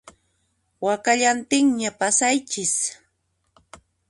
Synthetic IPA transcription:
wakaʎant̪ɪŋɲapasajt͡ʃɪs

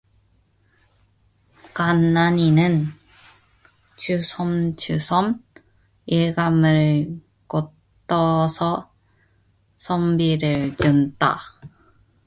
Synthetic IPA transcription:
kanːaɲinɯn | t͡ɕusʰʌmt͡ɕusʰʌm | iɭɡamɯɭ | ko | t͈ːʌsʰʌ | sʰʌmbiɾɯɭt͡ɕund͈a̰

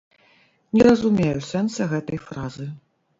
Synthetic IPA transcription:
nʲɛɾɐzumʲejusɛnt̪sɐɣɛt̪ɐjfɾazɨ

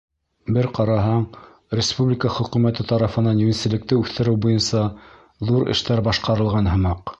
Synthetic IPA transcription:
bɘɾqɑɾɑɦɑɴ | ɾʲɪspublʲikəχɵ̆qŭmæt̪ɘt̪ɑɾɑfɤ̆nɑnjʉnʲisɘ̆lɘ̆k̚t̪ɘʉθt̪ɘ̆ɾɘwbujɤnsɑ | ðuɾɘ̰̆ʃt̪æɾbɑʃqɑɾɤ̆lˠʁɑnɦɤ̆mɑq

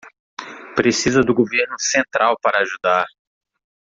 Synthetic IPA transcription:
pɾesizɐd̪ʊɡoveɾnʊsẽnt̪ɾawpaɾɐːʒud̪aɾ

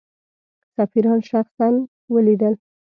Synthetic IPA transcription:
safiɾɑnʃaχsan | wəlid̪əl

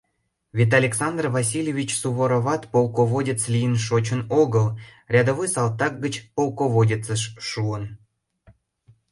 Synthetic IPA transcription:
vʲet̪̬ɑlʲeksɑnd̪rvɑs̬ʲilʲjevʲit͡ɕsuβoɾoβɑt̪polˠkoβodʲet͡slʲijənʃot͡ɕənoɡəlrʲɑd̪oβojsɑlt̪ɑk̚ɡət͡ɕpolˠkoβodʲet͡səʃʃuən

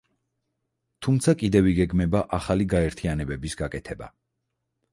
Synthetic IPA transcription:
t̪ʰumt̪sʰakʼid̪ɛviɡɛɡmɛbaʔaχaliɡaɛɾt̪ʰianɛbɛbisɡakʼɛt̪ʰɛba̰

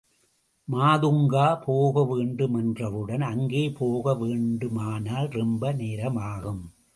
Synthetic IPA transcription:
maːðɯŋɡaːpʰoːɣɐʋeːɳɖɯmɛndrɐʋɯɽɐnɐŋɡeːpoːɣɐʋeːɳɖɯmaːnaːlrɛmbɐneːɾɐmaːɣɯm

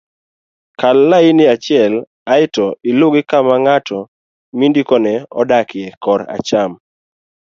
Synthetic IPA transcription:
kalːaɪnɪat͡ʃɪɛl | aɪtɔilʊɡɪkamaŋatʰɔ | mindikɔnɛɔ̰dakɪɛkɔɾa̰t͡ʃam

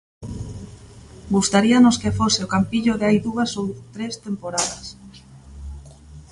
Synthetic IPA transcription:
ɡust̪aɾianoskefosɪokampiʎʊðeajðuasowt̪ɾest̪empoɾaðɐs

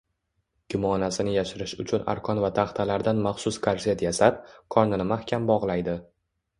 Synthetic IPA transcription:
ɡ̥ʲʊmɒnasɪnɪjaʃɪɾɪʃʊt͡ʃʰʊna̰ɾkʰɒnvat̪ʰaχt̪ʰalaɾd̪anmaχsʊskʰaɾzet̪jasap̚kʰɒɾnɪnɪmahkʲʰambɒʁlˠajd̪ɪ

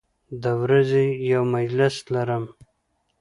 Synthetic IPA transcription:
d̪əwɾazejawmad͡ʒlɪslaɾəm

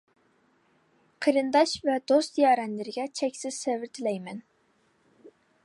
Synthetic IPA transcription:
qʰəɾɨnd̪ɑʃvɛd̪ost̪ijɑːɾɛnlɪɾɪɡʲɛt͡ʃʰɛkʲsɪz̥sevɪɾt̪ʰɪlɛjmɛn

